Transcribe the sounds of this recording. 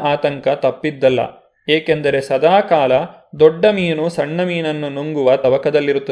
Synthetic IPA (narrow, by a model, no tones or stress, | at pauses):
ʔaːt̪ɐŋkɐt̪ɐpːid̪ːɐlːɐ̰ | eːkend̪ɐɾe̞sɐd̪aːkaːlɐ | d̪ɔɖːɐmiːnusɐɳːɐmiːnɐnːunuŋɡuʋɐt̪ɐʋɐkɐd̪ɐlːiɾut̪ːɐ